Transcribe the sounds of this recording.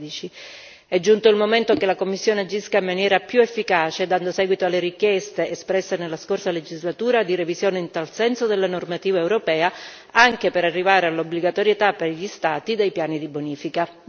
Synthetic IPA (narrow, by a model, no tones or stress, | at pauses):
d̪it͡ʃi | ɛd͡ʒːunt̪oilmoment̪okelakomːisːjoːnead͡ʒːiskaimːanjɛːɾapjuefːikaːt͡ʃed̪and̪osɛːɡwit̪oalːeɾikjɛst̪eʔespɾɛsːenelːaskorsaled͡ʒizlat̪uːɾad̪iɾevizjoːneint̪alsɛnsod̪elːanormat̪iːvaewɾopɛːa | aŋk̟epeɾarːivaːɾealːobliɡat̪oɾjet̪aperʎist̪aːt̪id̪ejpjaːnid̪iboniːfika